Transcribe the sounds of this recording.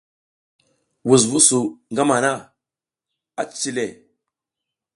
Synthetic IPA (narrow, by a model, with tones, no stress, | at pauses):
wu˨s̬vu˦su˨ŋɡa˦ma˨na˦˨ | a˨t͡si˦le˨